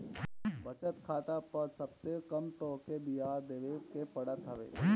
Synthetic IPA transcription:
bət͡ʃət̪kʰaːt̪apəɾsɐbsekɐmt̪ɔːɾkebijaːɾd̪eːʋekepɐɽət̪ɦəʋḛː

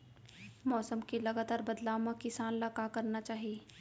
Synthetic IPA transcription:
mɔːsəmkelɐɡaːt̪aːɾbɐd̪laːʋmãkɪsaːnlakakɐɾnat͡ʃaːɦieː

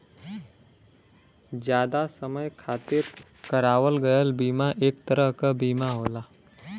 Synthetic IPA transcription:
d͡ʒjaːd̪asəməjkʰaːt̪ɪɾ | kəɾaːʋəlɡəjəlbiːmaʔeːkt̪əɾəɦkabiːmaɦoːlaː

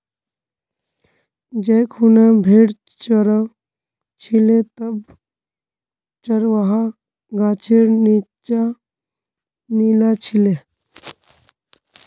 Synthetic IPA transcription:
d͡ʒejkʰunabʱeːɽ | t͡ʃəɾə | t͡ʃʰilet̪əb | t͡ʃəɾʋaɦa | ɡaːt͡ʃʰiɾnit͡ʃa | niːlat͡ʃʰile

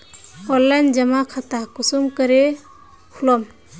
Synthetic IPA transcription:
ɔlːajnd͡ʒəmakʰat̪akusumkəɾe | hʰulɔm

